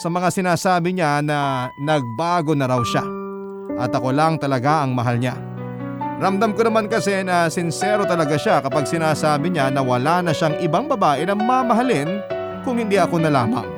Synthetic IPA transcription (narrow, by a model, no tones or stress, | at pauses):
sɐmɐŋasɪnaːsaːbɪɲanɐnɐɡ̚baːɡo̞nɐɾɐwʃa | ʔɐt̪ɐko̞laŋt̪ɐlɐɡaʔɐŋmɐɦalɲa̰ | ɾɐmd̪amkonɐmankɐsɛnɐsɪnsɛɾo̞t̪ɐlɐɡaʃakɐpaɡ̚sɪnaːsaːbɪɲanɐwɐlanɐʃaŋʔɪbaŋbɐbaːʔɛnɐŋmamɐɦɐlɪn | kʊŋhɪnd̪iʔɐko̞nɐla̰ːmɐ̰ŋ